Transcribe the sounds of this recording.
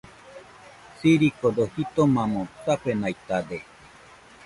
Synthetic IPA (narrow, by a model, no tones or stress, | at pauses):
siɾikod̪ohit̪omãmõt͡sapenajt̪ad̪e